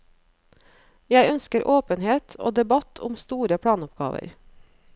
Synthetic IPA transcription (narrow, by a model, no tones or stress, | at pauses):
jæɪœnskəɾʔoːpənheːt̪ʰo̰ːd̪ɛbɑt̪ʰʊmst̪uːɾəpʰɽɑːnʊpɡɑ̰ːʋə̰ɾ